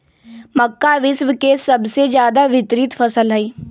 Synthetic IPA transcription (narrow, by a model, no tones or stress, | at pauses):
məkːaʋɪsʋəkesɐbsed͡ʒjaːd̪aʋɪt̪ɾɪt̪fʰəsəlɦəiː